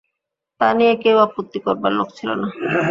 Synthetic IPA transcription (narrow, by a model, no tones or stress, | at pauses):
t̪aniekewapot̪ːikoɾbaɾlokt͡ɕʰilo̰na